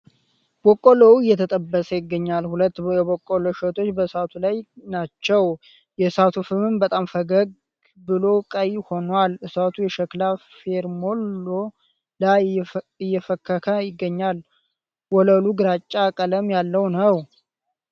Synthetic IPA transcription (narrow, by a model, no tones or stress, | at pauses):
b̥okʼːolowɨjːɛt̪ʰət̪ʼəbːəsəjɪɡːəɲːalhulət̪ːjɛbokʼːoloʃət̪ʰo̞t͡ʃːbəsat̪ʰulajnat͡ʃːɛw | jɛsat̪ʰufɨmɨmbət̪ʼamfəɡəɡ̚ | bɨlo̞kʼəjho̞nwalɨsat̪ʰujɛʃəklafeɾmo̞lːo | lajɪjːɛfəkːəkʰəjɪɡːəɲːal | wɔləluɡɨɾat͡ʃʼːakʼələmjalːəwnəw